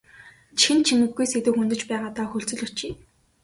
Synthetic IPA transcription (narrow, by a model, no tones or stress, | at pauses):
t͡ɕixɘ̆nt͡ɕʰimɘ̆ɡːujset̪ŭxunt̪ɘ̆t͡ɕpæːʁaːt̪aːxɵɬt͡sɵ̆ɮɵ̆t͡ɕiː